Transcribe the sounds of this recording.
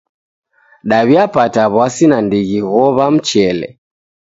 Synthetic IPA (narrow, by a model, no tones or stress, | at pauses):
ɗaβiapataβwasinandiɣiɣɔβam̩t͡ʃɛlɛ̰